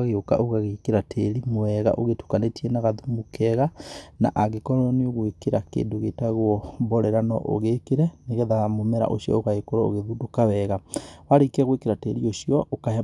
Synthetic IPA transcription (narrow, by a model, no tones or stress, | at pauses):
aɣeoka̰ʔoɣaɣekeɾatʰeɾimoɛɣa̰ʔoɣetu̥kanetʰiɛnaɣaðumukɛɣana̰ʔaɣekɔɾɔɾɔneoɣwekeɾakḛːndoɣetaɣwɔbɔɾɛɾanɔ̰ʔo̰ɣekeɾɛneɣɛðamomɛɾa̰ʔo̰ʃjɔ̰oɣaekoɾɔo̰ɣeðudokawɛɣawaɾekɛɣwekeɾateɾioʃijɔʔokah